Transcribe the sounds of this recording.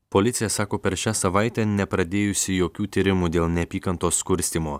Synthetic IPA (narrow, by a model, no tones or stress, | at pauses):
polʲɪt̪sʲɪjɛsɑːkoːpʲɛɾʃʲæːsɐʋɑɪt̪ʲɛnʲɛpɾɐd̪ʲeːjʊsʲɪjoːkʲuːt̪ʲiɾʲɪmuːd̪ʲeːlˠnʲɛɐpʲiːkɐnt̪oːskʊɾʲsʲt̪ʲiːmoː